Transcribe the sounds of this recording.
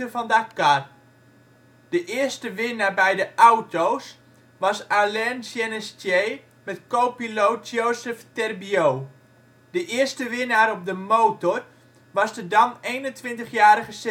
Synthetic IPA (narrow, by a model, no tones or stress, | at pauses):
əvɑndakar | d̥əʔɪəstəʋɪnaːbɛjdəʔawtows | ʋɑsalɛnsjɛnɛstjej | mɛtkowpilowt̚d͡ʒowsəftɛrbiow | dəʔɪərstəʋɪnaːɾɔp̚dəmoːtɔr | ʋɑsdədɑnejnəntʋɪntəχjaːɾəχəse